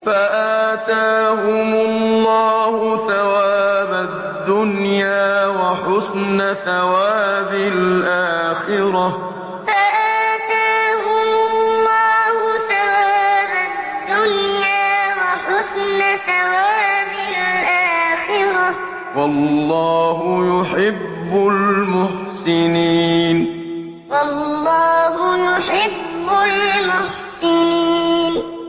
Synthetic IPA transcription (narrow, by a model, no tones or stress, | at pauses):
faʔat̪aːhʊmʊlːɑːhʊθawaːba | d̪ːʊnjaːwaħʊsnaθawaːbɪlʔaːxɪɾɑ | faʔaːt̪aːhʊlllːɑːhʊθawaːbad̪ːʊnjaːwaħʊsnasawaːbɪlʔaːxɪɾɑ | wɑlːɑːɦʊjʊħɪbːʊlmʊħsɪniːn | wɑlːɑːhʊjʊħɪbːʊlmʊħsɪniːn